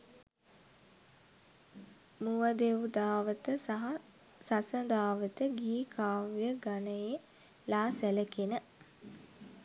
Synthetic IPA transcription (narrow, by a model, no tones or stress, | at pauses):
muʋəd̪eʋud̪aːʋət̪əsaɦa | sasəd̪aːʋət̪əɡiːkʰaːʋjəɡanəje | laːsæləkenə